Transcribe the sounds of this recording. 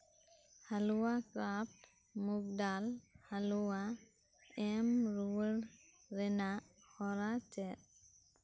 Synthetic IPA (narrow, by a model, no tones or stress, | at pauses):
haluwakɾap̚ | muɡ̚dalhaluwa | ɛmɾuwəɾ | ɾɛnahɔɾat͡ʃɛ